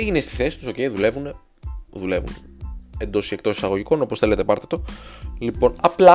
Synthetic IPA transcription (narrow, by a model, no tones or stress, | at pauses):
eʝinest̪i̥θe̞si̥t̪uso̞ce̞iðule̞vune | ðule̞vṵnend̪o̞siek̚t̪o̞si̥sɐɣoʝiko̞no̞posθe̞le̞t̪epɐɾt̪e̥t̪o̞lipo̞nɐplɐ